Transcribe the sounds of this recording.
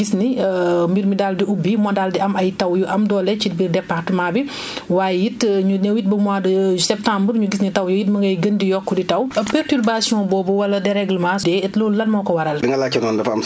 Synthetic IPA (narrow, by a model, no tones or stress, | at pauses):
ɡisniəmbiɾmidaːldiubːimɔdaldiɐmɐjtɐwjuʔɐmdɔːlɛt͡ʃitbirdɛpːartəmaːbi | waːjɛjitɲunɐwit̚bəmwaːdəsɛp̚tãmbrɲuɡis̬nitɐwjujit̚mɐŋɡɐjɡɐndijɔkːuditɐwɐpɛrtyrbasijɔ̃bɔːbɔwɐlɐdɛɾɛɡlmasdɛɛtlɔːɐlmɔkɔwɐɾɐldiŋɡɐlaːcːɐnɔndɐfɐm